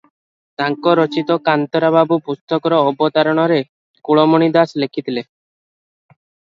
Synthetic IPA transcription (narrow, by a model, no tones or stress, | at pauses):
t̪aŋkɔɾɔt͡ʃit̪ɔkant̪ɔɾababupust̪ɔkɔɾɔːbɔt̪aɾɔɽ̃ɔɾe | kuɭɔmɔɽ̃id̪aslekʰit̪ile